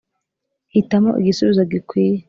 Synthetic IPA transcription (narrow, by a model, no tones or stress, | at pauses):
hitamo̰ʔḭɡisuβizoɡikwiːje